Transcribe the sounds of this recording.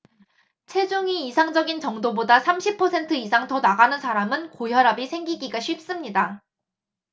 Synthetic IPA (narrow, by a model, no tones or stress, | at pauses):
t͡ɕʰe̞d͡ʑuŋiːsʰaŋd͡ʑʌɡint͡ɕʌŋdobodasʰamɕʰipʰːʌsʰe̞ntʰɯisʰaŋtʌnaɡanɯnsʰaɾamɯnkojʌɾabisʰe̞ŋɡiɡiɡaɕʰɥip̚s͈ɯmɲida